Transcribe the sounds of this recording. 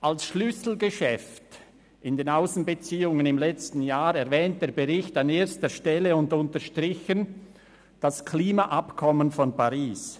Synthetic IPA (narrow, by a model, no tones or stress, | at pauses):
ʔalsʃlʏsl̩ɡəʃɛft | ɪndeːnaʊsn̩bət͡siːʊŋənɪmlɛt͡stn̩jaːɾɛɐvɛːnt̚d̥eːɐbeʁɪçtaneːɐstəʃtɛləʊndʊntəʃtʁɪçən | d̥askʰliːmaʔapkʰɔmənfɔnpaʁiːs